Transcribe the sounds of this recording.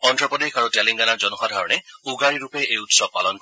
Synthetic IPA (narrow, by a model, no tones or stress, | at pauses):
ɔndɹɔpɔdekaɹutɛliŋɡanaɹzɔnɔxadʱaɹɔnɛuɡaɹiɹupɛʔejutsɔb̚palɔn